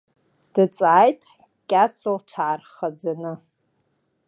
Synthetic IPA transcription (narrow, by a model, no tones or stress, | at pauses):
d̥ɨt͡sʼaajtʼ | kʲʼasolʈ͡ʂʰaʕarχad͡zanɨ